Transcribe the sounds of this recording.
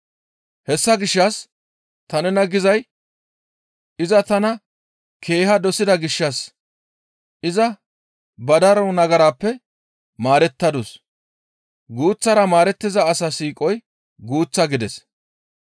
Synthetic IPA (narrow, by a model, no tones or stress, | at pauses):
hɛsːɐɡɪʃːɐs | t̪ɐnɛnɐɡɪzɐj | ɪzɐt̪ɐnɐ | kʰe̞ːhɐd̪ɔsɪd̪ɐɡɪʃːɐs | ɪzɐ | bɐd̪ɐɾɔnɐɡɐɾaːpːɛ | maːɾɛt̪ːɐd̪ʊs | ɡuːt͡sːɐɾɐmaːɾɛt̪ːɪzɐːsasiːkʼɔj | ɡuːt͡sːɐɡɪd̪ɛs